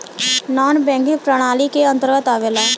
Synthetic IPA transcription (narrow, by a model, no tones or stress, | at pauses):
naːnbɛ̃ːŋɡipɾəɽ̃aːlikeə̃nt̪əɾɡət̪aːʋeːlaː